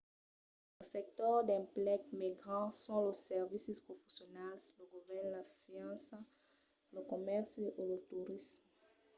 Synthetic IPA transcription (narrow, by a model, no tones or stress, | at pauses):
ləsɛk̚t̪ɔʁd̪ɛ̃plɛkmiɡʁɑ̃sɔ̃ləsɛʁvisispχofesjɔnalsləɡuvɛʁnlafiɑ̃sa | ləkɔmɛʁsʔelət̪uʁism